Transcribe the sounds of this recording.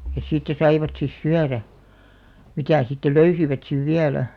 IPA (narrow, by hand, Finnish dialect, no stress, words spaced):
jɑ siːtːæ sɑiʋɑt sis syæræ mitæˑ sitːe løysiʋæt siʋ ʋiælæ